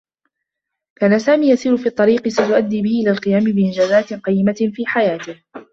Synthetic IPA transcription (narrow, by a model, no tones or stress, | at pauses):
kaːnasaːmiːjasiːɾʊfiːt̪ˤːɑɾiːqɨsat̪ʊʔad̪ːiːbɪhɪʔɪlaːlqɨjaːmɪbɪʔɪnd͡ʒaːzaːt̪qɑjːɪmafiːħajaːt̪ɪh